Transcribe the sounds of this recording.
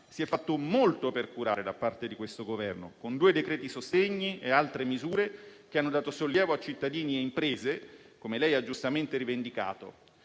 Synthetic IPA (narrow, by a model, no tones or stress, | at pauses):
siɛfːat̪ːomolt̪operkuɾa̰ːɾed̪apːart̪ed̪ikwest̪oɡovɛrno̰kond̪uːed̪ekɾɛːt̪isost̪eɲːiealt̪ɾemizuːɾek̟eanːod̪aːt̪osolːjɛːvoat͡ʃit̪ːad̪iːnieimpɾeːze | komelɛjad͡ʒːust̪ament̪eɾivend̪ika̰ːt̪o̰